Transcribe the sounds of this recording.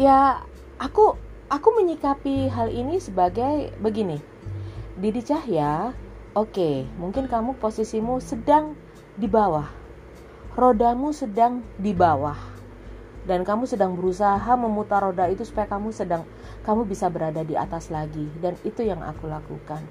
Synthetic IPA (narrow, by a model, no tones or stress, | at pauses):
ja | ʔaku | ʔakuməɲikapiɦalinisəbaɡajbəɡini | didit͡ʃaɦjaʔokemuŋkɪnkamuposisimusədaŋ | dibawah | rodamusədaŋdibawah | dankamusədaŋbəɾusaɦaməmut̪aɾodait̪usu̥pajakamusədaŋ | kamubisabəɾadadia̰t̪aslaɡidanit̪ujaŋa̰kulakṵkan